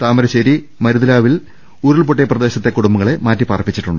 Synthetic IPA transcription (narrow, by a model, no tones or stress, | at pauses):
t̪aːmɐɾɐɕɐɾi | mɐɾuðɐlaːʋil | uːɾilɭpoʈːejɐprɐd̪e̞ːɕɐt̪ːe̞kuɽumbɐŋːɐɭemaːtːiparɐpːit͡ɕːiʈːuɳɖɨ